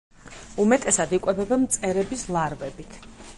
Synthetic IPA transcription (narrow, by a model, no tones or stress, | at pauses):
umɛt̪ʼɛsad̪ikʼɛbɛbamt̪sʼɛɾɛbislˠaɾvɛbit̪ʰ